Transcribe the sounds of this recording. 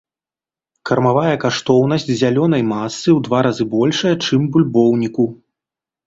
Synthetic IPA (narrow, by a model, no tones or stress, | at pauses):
kɐrmavajɐkaʂt̪ɔwnɐsʲt͡sʲzʲalʲɔn̪ɐjmasːɨwd̪vaɾazɨbɔlʲʂɐjɐt͡ʂɨmbulʲbɔwnʲiku